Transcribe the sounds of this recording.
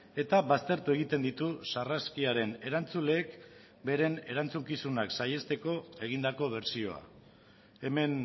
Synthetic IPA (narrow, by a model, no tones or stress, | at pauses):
e̞t̪aβast̪e̞ɾt̪ue̞ɣ̞it̪e̞nd̪it̪usaraskiaɾe̞ne̞ɾant͡sule̞ːk | be̞ɾe̞ne̞ɾant͡suŋkisunaksaje̞st̪e̞ko̞e̞ɣ̞ind̪ako̞β̞e̞ɾsio̞a̰ | e̞me̞n